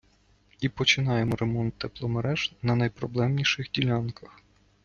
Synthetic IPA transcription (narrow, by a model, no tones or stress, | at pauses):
ipɔt͡ʃɪnɑjemɔɾemɔnt̪ːɛplˠɔmeɾɛʒ̥nɐnɐjpɾɔblˠɛmnʲiʃɪxdʲilʲɑnkɐx